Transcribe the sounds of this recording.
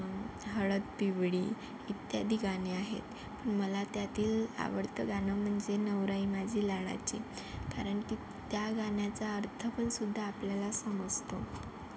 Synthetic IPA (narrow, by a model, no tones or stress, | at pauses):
ɦəɭət̪̚piʋɽiː | it̪jad̪iːɡaneaɦḛt̪ | pəɳməlat̪jat̪iːla̰ʋəɽt̪əɡanəm̤əɳd͡zenəʋɾaimad͡ʑʱiːlaɽ̃a̰t͡ɕi | kaɾəɳki | t̪jaɡanjat͡saəɾt̪ʰəpəɳsud̪ʱːaːpljalasəməd͡zt̪o